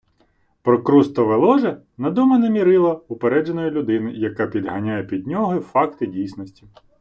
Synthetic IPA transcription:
pɾɔkɾust̪ɔʋelˠɔʒɛ | nɐd̪ɔmɐnɛmʲiɾɪlˠɐʊpeɾɛd͡ʒenɔjilʲʊd̪ɪnɪjɐkapʲid̪ɦɐnʲajɛpʲid̪̚ʲnʲɔɦɔifɑkt̪ɪdʲijsnɔsʲtʲi

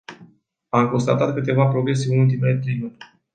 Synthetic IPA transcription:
amko̞nst̪at̪at̪̚kɨt̪e̞vapɾo̞ɡɾe̞s̬eɨnult̪̬ime̞le̞t̪ɾejnun

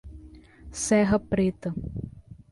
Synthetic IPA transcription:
sɛɦɐpɾet̪ɐ

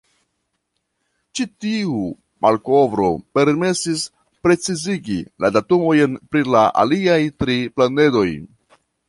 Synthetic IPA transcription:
t͡ʃitiuu | mʔalko̞vɾo̞̰pe̞ɾme̞sis | pɾe̞t͡siziɡiladatumo̞jnpɾilaʔa̰liajtɾiplane̞do̞j

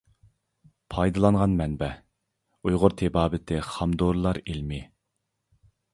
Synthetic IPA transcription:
pʰɑjd̪ɨlˠɑnʁɑnmɛnbɛ | ujʁʊɾt̪ʰɪbɑːbɪt̪ʰɪχɑmd̪oɾlˠɑɾilmɪ

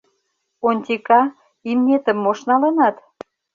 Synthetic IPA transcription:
onʲt̪ʲikɑ | imnʲet̪ə̆mːoʃnɑlɤnɑt̪

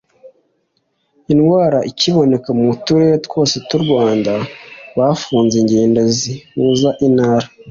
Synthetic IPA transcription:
inɡwaːɾaʔiciβo̞ne̞kamutuɾetkwo̞ːsetuɾɡwaːndaβafuːnzeɲɟeːndazimuːzaʔinhaːɾa

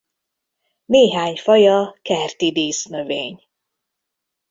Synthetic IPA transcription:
neːɦaːɲfɒjɒkɛrt̪id̪iːsnø̞veːɲ

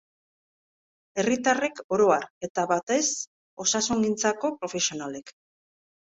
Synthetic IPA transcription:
e̞rit̪are̞ko̞ɾo̞aɾe̞t̪aβat̪e̞s | o̞sasuŋɡint͡sako̞pɾo̞fe̞sio̞nale̞k

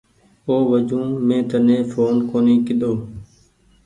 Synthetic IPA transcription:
oːʋəd͡ʒũːmẽːt̪ənẽːfʰoːnkoːniːkɪɗ̪oː

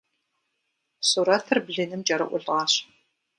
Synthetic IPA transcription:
suːɾɐtʰɨrbɮɨnɨmd͡ʒɐɾɐ̰ʔʷʊɮʁɑːɕ

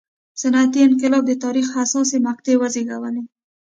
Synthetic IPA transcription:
sanat̪iɪnqɪlɑb̚d̪ət̪ɑɾixasɑsemaq̚t̪ewazeɡawane

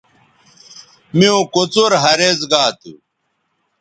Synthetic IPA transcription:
miõkot͡soɾɦɐɾezɡaːt̪ṵ

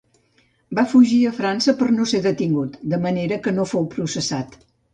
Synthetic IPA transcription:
bafuʒiəfɾansəpəɾnoseðət̪iŋɡut̪d̪əməneɾəkənofowpɾusəsat̪

